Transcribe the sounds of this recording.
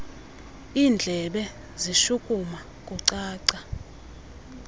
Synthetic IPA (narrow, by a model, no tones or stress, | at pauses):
iːnd͡ɮʱɛɓɛ | ziʃukʼuma | kʼuǀaːǀa